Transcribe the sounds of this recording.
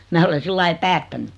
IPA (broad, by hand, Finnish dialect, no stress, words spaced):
mæː ole silːɑi pæːtːæny